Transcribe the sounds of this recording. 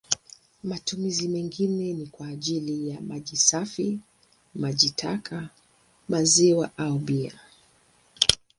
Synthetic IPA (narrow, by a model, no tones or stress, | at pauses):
matumizimɛŋɡinɛnikwaːʄilijamaʄisafi | maʄitʰakʰa | maziwaʔauɓia̰